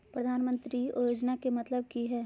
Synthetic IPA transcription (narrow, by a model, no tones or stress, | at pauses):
pɾɐd̪ʱaːnmə̃nt̪ɾiojoːd͡ʒnakemɐt̪ləb̚kiɦɛː